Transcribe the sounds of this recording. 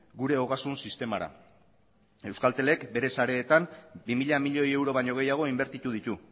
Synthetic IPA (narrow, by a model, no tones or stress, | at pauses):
ɡuɾe̞o̞ɣasunsist̪e̞maɾa̰ | e̞wskalt̪e̞le̞kbe̞ɾe̞saɾe̞ːt̪ambimiʎamiʎo̞je̞wɾo̞β̞aɲo̞ɣ̞e̞jaɣ̞o̞imbe̞ɾt̪it̪uðit̪u